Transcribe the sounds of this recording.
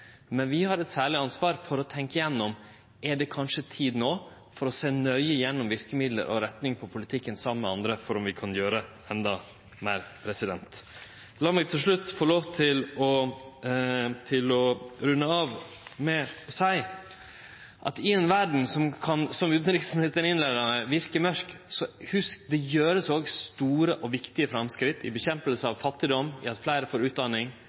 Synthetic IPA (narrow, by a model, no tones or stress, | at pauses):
mɛnʋɪhɑɾɛt̪sæːɭɪɑnsʋɑːɾfɔɾɔt̪ʰɛŋkəjɛnːɔm | ɛɖɛkʰɑnʂət̪ʰiːd̪noː | fɔɾɔseːnœʏəjɛnːɔmʋɪɾkəmɪd̪lə̰ɾʔɔ̰ɾɛt̪nɪŋpʰɔpʰʊlɪt̪ʰɪkːənsɑmːəmɛɑnd̪ɾəfɔɾɔmʋɪkʰɑnjøːɾə | ɛnd̪ɑ | mæːɾpʰɾɛsɪd̪ɛnt̪ | lɑːmɛɪt̪ʰɪlʂɭʉt̪ːfoːloːʋt̪ʰɪlɔ | t̪ʰɪlɔɾʉnːəɑːʋ | mɛsæɪ | ʔɑ̰t̪ɪɛnʋæɖɳ̩sɔmkʰɑnsɔmʉːt̪nɾɪksn̩het̪ənɪnlæɪd̪ənəʋɪɾkəmœɾksɔhʉskd̪ɛjøːɾəsoːɡst̪uːɾəʔɔʋɪkt̪ɪəfɾɑmskɾɪt̪ːɪbɛçɛmpəlsəɑʋfɑt̪ːɪd̪ɔmːɪ̰ɑt̪flæɪɾəfoːɾʉːt̪̚d̪ɑnɪŋ